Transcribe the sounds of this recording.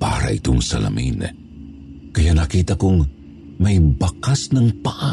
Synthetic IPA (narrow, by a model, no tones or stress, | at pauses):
pa̰ːɾa̰ʔit̪oŋsɐ̰lɐ̰min | kɐjanɐkiːt̪akoŋ | mɐjbɐkasnɐŋpaʔa